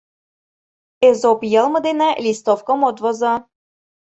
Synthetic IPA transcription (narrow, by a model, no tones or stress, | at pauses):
ezopjɤ̆lˠmɤ̆d̪enælʲist̪ofkomot̪vozɤ